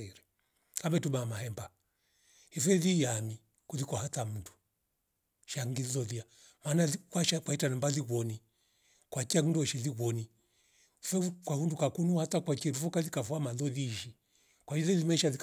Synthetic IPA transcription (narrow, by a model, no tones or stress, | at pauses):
ɛɾɛ | kambɛtumamaɦɛmba | hifɛðijami | kulikɔhatam̩ndu | ʃaŋɡiilɔðia | manaikwaʃakwaitanambaliβɔni | kwakiandɔʃiliβɔni | hifɛkwahundukakunuhatakwat͡ʃiɛlufɔkalikafuamaðɔðiʃi | kwailɛlimɛʃalik